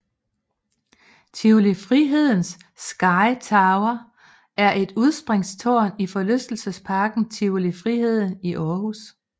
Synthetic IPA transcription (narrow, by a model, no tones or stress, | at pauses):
t͡sʰiolifʁiɦe̝ð̞̰ˠn̩sː | ɡ̥ɑ̈ɪt͡sʰɑ̈ʊɐ | æɐʔe̝d̥uð̞ˠsb̥ʁeŋst͡sʰoːnifɒ̽løsd̥l̩səspʰɑ̈ːɡ̥n̩t͡sʰiolifʁihe̝ð̞̰ˠn̩iʔɒːhus